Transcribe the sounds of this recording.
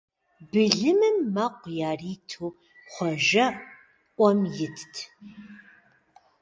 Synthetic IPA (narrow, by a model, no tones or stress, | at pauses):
bɨɮɨmɨmːɐqʷjaːriːtʰuː | χʷɔʒɐ | ʔʷɔmjɪtʰtʰ